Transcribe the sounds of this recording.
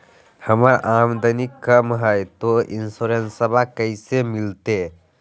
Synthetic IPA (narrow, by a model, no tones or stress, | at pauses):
hɐmaɾʔamd̪ɐnikəmɦəjt̪oinsɔɾensɐbʱakəjsemilt̪e